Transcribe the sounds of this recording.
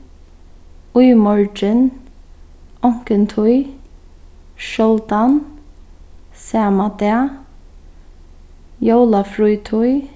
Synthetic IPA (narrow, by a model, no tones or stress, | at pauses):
ʊjmɔɹd͡ʒɪn | ɔŋ̥kɪnt̪ʰʊj | ʃɔlt̪an | sɛːmat̪ɛa | jowlafɾujt̪ʰʊj